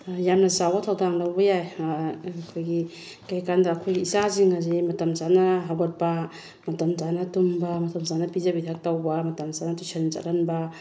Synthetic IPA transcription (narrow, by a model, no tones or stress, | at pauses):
jamnɐzawbɐtʰawdaŋlawbɐjaj | kʰojɡi | kajkandɐːkʰojɡiːsaziŋazimɐtɐmsanɐɦawɡɐt̚pɐ | mɐtɐmzanɐtumbɐmɐtɐmzanɐpizabitʰak̚tawbɐmɐtɐmsanɐtusʰant͡ʃa̰ɾanbɐ